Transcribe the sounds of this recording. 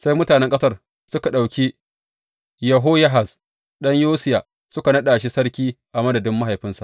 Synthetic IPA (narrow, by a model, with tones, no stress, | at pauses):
sa˦jmʊ˦taː˨nɛ˦ŋkʼɐ˦sɐ˦r | sʊ˦ka˨ɗa˨wkʲi˦ | jɐ˨ɦoː˦jɐ˦ɦa˨s | ɗɐ˦ɲjoː˦sɪ˦jaː˨ | sʊ˦ka˨nɐ˦ɗaː˨ʃi˦sɐ˦ɽkʲiː˦ʔa˨mɐ˦dɐ˨dɪ˦mːa˦ɦa˨jɸɪ˦nsa˨ʔ